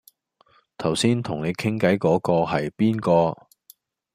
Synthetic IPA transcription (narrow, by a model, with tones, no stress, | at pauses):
t̪ʰɐ˨˩wsiː˥nt̪ʰʊ˨˩ŋne˨˧jkʰɪ˥ŋkɐ˨˥jkɔː˨˥kɔː˧ɦɐ˨jpiː˥nkɔː˧